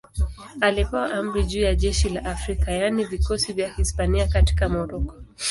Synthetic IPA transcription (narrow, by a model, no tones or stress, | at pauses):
alipɛwaʔam̩ɾiʄuːjaʄɛʃilaʔafɾikajanivikɔsivjahispaniakati̥kamɔɾɔkɔ̥